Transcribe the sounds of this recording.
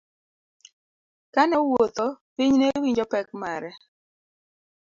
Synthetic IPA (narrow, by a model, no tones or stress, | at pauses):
kanɔwot̪ɔpiɲnewiɲd͡ʒɔpɛk̚maɾɛ